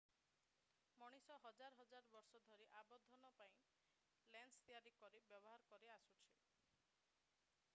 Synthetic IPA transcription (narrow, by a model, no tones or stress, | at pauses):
mɔɽ̃isɔɦɔd͡ʒaɾɔɦɔd͡ʒaɾbɔɾsɔd̪ʱɔɾiʔabɔd̪ʱɔnɔpaĩ | lenst̪ijaɾikɔɾibjɔbɔɦaɾɔkɔɾeasut͡ʃʰi